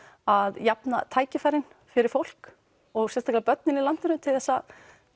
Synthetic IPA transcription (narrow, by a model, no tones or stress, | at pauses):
aðjapnat̪ʰaːjcɪfajɾɪn | fɪɾɪɾfowl̥k | ɔɣsɛst̪aklapœt̪̚nɪnilan̥t̪ɪnʏmt̪ʰɪlθɛsːa